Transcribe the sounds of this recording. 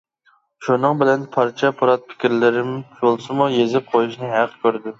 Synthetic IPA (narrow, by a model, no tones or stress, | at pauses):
ʃunɨŋbɪlɛnpʰɑɾt͡ʃʰɛpʰɑɾɑt̪̚pʰɪ̥kʲɪɾlɪɾɪmt͡ʃolˠsɨmujezɪp̚qʰojuʃnɨɦæqʰkʲʰøɾd̪ɪ